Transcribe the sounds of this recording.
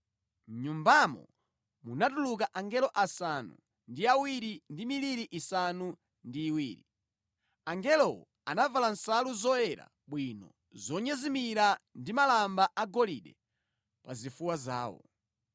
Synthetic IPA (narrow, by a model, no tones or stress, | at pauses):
m̩ɲumbamɔ̰ | munatuluk̬aʔaŋɡɛlɔʔasanṵ | ndiawiɾindimiliɾiʔisanu | ndiːwiːɾi | aŋɡɛlɔɔ | anavalan̩saluzɔɛɾa̰ | ɓwinɔ̰ | zɔɲɛzimiɾandimalambaʔaɡɔlḭɗɛ̰ | pazifuwaza̰ːwɔ̰